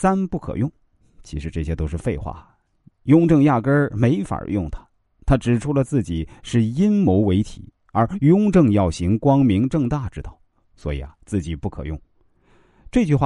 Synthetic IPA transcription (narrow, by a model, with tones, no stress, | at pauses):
sa˥npu˥˩kʰɤ̰˨˩jʊ˥˩ŋ | t͡ɕʰi˧˥ʂɻ̩˧˥ʈ͡ʂɤ˥˩ɕjɛ˥t̪o˥ʊʂɻ̩˥˧fe˥˧ɪxwa̰˥˩ | jʊ˥ŋʈ͡ʂɤ˥˧ŋja˥˩kə˥me˧˥ɪfa̰˨˩jʊ˥˩ŋt̪ʰḁ˥ | t̪ʰa˥ʈ͡ʂɻ̩˨˩ʈ͡ʂʰu˧˥˩lə˩t͡sɹ̩˥˩t͡ɕi˨˩ʂɻ̩˥˩i˥nmo˧˥ʊwe˧˥ɪt̪ʰḭ˨˩˦ | ə˞˧˥jʊ˥ŋʈ͡ʂɤ˥˧ŋjɑ˥˩ʊɕi˧˥ŋkwɑ˥ŋmi˧˥ŋʈ͡ʂɤ˥˧ŋt̪a˥˩ʈ͡ʂɻ̩˥t̪ɑ˥˩ʊ | swɔ˧˥i˨˩ɐ˦t͡sɹ̩˥˩t͡ɕi˨˩pu˥˩kʰɤ̰˨˩jʊ˥˩ŋ | ʈ͡ʂɤ˥˧t͡ɕy˥˧xwa˥˩